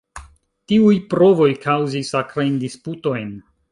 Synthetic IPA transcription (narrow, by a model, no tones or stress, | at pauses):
tiujpɾo̞vo̞jkʰawzisakɾajndisputo̞jn